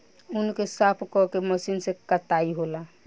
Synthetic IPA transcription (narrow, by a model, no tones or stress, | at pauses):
unkesapʰkɔkeməsinsekət̪aiɦola